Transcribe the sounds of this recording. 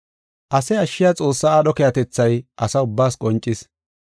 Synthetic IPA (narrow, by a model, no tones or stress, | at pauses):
ʔɐsɛɐʃːɪjɐt͡sʼo̞ːsːaaːɗɔkɛjɐt̪ɛt͡sːɐjʔɐsɐʊbːaːskʼɔnt͡ʃʼːɪs